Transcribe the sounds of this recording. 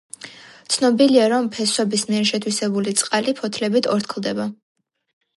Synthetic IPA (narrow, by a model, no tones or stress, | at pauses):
t̪sʰnɔbiliaɾɔmpʰɛswɛbismiɛɾʃɛt̪ʰwisɛbulit̪sʼqʼalipʰɔt̪ʰlɛbit̪ʰɔɾt̪ʰkʰlˠd̪ɛba